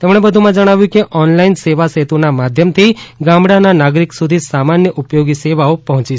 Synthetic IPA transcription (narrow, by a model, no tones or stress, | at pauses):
t̪emɽ̃ebəd̪ʱumãd͡ʒəɽ̃aʋjũkeʔɔnlainseʋaset̪onamad̪ʱjəmt̪ʰiɡãmbɽananaɡɾiksud̪ʱisamanjəʔupjoɡiseʋaopɔɦɔ̃t͡ʃiʃ